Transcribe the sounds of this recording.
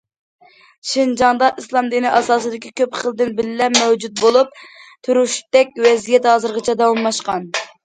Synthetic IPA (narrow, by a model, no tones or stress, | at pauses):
ʃind͡ʒɑŋd̪ɑʔislˠɑmd̪inɪʔɑsɑːsɨd̪ɪkʲʰikʲʰøpχəlˠd̪ɪnbɪlɪlɛpmɛwd͡ʒut̪̚bolˠup̚t̪ʰuɾuʃt̪ɛkʲwɛzijɛt̪hɑːzɨɾʁɨt͡ʃʰɛd̪ɑwɑmmɑʃqɑn